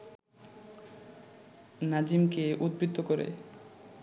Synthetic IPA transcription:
nad͡ʑimkeud̪̚bɾit̪ːokoɾḛ

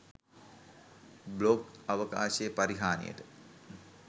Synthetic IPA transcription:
blokaʋəka̰ːɕejəpaɾiɦaːnḛjə̰ʈə

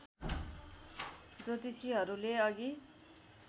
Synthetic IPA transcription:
d͡zot̪isiɦʌɾuleʌɡi

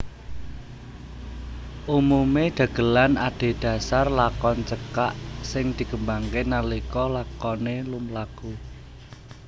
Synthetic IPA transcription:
ʔumumeɖ̪̥ä̤ɡ̥ə̤lanaɖ̪̥e̤d̪̥a̤sarlakɔnt͡ʃəkaʔsɪŋd̪̥i̤kəmbaŋkenalikɔlakɔnelumlaɡ̥u

